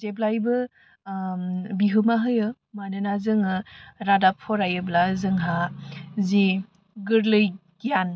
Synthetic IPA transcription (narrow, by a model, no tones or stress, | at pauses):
zeblajbɯ | biɦɯmaɦɯjɯ | manɯnazɯŋɯɾadapʰɔɾajɯblazɯŋɦazi | ɡɯɾlɯjɡijan